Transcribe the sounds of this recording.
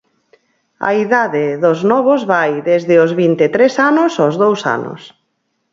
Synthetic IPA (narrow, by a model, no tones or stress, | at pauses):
ɐ̰iðaðɪðʊznɔβozβajðezðɪozβint̪et̪ɾesanʊsozðowsa̰nʊ̰s